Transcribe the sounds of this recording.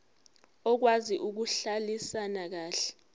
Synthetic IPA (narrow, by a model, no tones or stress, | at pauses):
ɔk̬waziʔuk̬uɬalisanak̬aːɬɛ̥